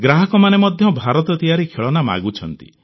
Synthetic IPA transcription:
ɡɾaɦɔkɔmanemɔd̪ʱjɔbʱaɾɔt̪ɔt̪ijaɾikʰeɭɔnama̰ɡut͡ʃʰɔnt̪ḭ

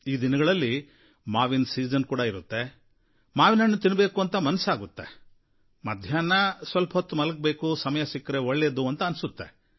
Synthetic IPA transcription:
iːd̪inɐɡɐɭɐlːi | maːʋinsiːd͡ʒɐnkuːɽɐiɾut̪ːe̞ | maːʋinɐnːut̪inbe̞ːkuɐnt̪ɐmɐnɐsaːɡut̪ːe | mɐd̪ʱjaːnɐsʋɐlpɐɦɐt̪ːumɐlɐk̚beːkusɐmɐjɐsikːɾeoɭːed̪uɐnt̪ɐɐnsut̪ːe̞

